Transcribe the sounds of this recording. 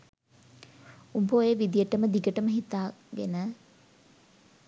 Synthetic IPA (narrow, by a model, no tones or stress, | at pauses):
umpoːeʋid̪ijəʈəməd̪iɡəʈəməɦit̪aːɡenə